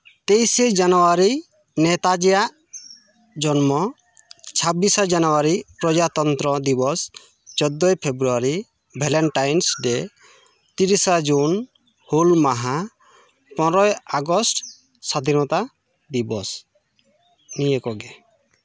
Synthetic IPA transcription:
t̪ejsed͡ʒanɔwaɾi | nɛt̪ad͡ʒɛjaʔ | d͡ʒɔnmɔ | t͡ʃʰabisad͡ʒanɔwaɾipɾɔd͡ʒat̪ɔnt̪ɾɔd̪ibɔs | t͡ʃɔd̪ɔjpʰebɾuaɾi | bʱɛlɛnʈajnsɖɛ | t̪iɾisad͡ʒun | hulmaɦa | pɔ̃ɾɔjaɡɔsʈ | sɔd̪ʱinɔt̪a | d̪ibɔs | nijekɔɡɛ

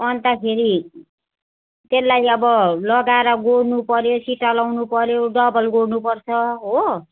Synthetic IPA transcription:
ʌnt̪akʰeɾi | t̪elːajʌbʌlʌɡaeɾʌɡoɽnupʌɾjosiʈːalawnupʌɾjoɖʌbʌlɡoɽnupʌrt͡sʰʌɦo

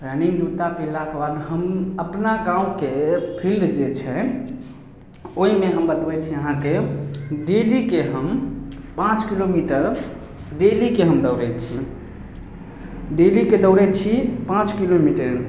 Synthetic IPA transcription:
pɛniŋɡd̪ut̪apilakebad̪ɦəməpnaɡãũkepʰilɖd͡ʒet͡ʃʰɛ | oɦimeɦəmbət̪bɛt͡ʃʰiəɦãkeɖelikeɦəmpãt͡ʃkilomiʈəɾ | ɖelikeɦəmd̪əʊɾɛt̪t͡ʃʰi | ɖeliked̪əʊɾɛt͡ʃʰipãt͡ʃkilomiʈəɾ

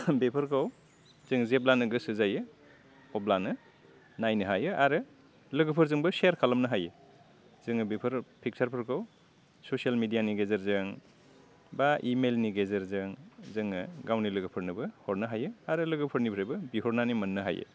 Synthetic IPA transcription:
bepʰɯɾkʰaw | zɯŋzeblanɯɡɯsɯzajɯ | ɔblanɯ | najnɯɦajɯaɾɯ | lɯɡɯpʰɯɾzɯŋbɯseɾkʰalɐmnɐɦajɯ | z̥ɯŋɯbepʰɯɾpʰik̚saɾpʰɯɾkʰaw | sosialmidijaniɡezɐɾzɯŋ | baʔimelniɡezɐɾzɯŋzɯŋɯɡawnilɯɡɯpʰɯɾnɯbɯhɔɾnɯɦajɯaɾɯlɯɡɯpʰɯɾnibʰɾajbɯbihɔɾnanimɐnːɯɦa̰jɯ̰

